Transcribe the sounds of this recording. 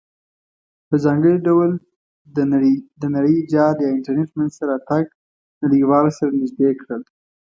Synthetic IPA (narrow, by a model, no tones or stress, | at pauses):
pəzɑŋɡəɽiɖawl | d̪ənaɽəjd͡ʒɑɾjɑɪɳʈaɾneʈmənzt̪aɾɑt̪aɡ̚ | naɽiwɑlosaɾanɪzd̪ekɽəl